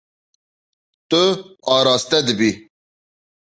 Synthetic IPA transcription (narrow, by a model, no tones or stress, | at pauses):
t̪oɑːɾɑːst̪ɛd̪ɨbi